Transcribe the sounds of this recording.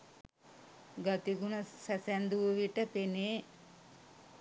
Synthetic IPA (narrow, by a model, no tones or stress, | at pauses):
ɡat̪iɡunəsæsænd̪uʋəʋiʈəpeneː